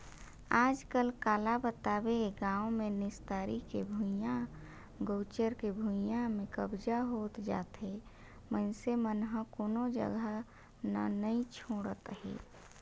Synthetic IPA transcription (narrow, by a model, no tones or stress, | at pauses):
aːd͡ʒkəlkaːlabət̪aːbeɡãːõmẽnɪst̪aːɾikebʱujã | ɡoːt͡ʃəɾkebʱujãmẽkəbd͡ʒaɦoːt̪d͡ʒa̰ːt̪ɦe | məɪnsemənɦə̃koːnod͡ʒə̰ɡʱə | na̰nəĩt͡ʃʰoːɽət̪ɦḛː